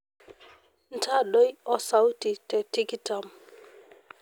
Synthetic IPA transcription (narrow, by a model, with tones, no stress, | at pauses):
n˨ta˦ɗo˦jɔ˨sa˦wti˨tɛ˨ti˦ktam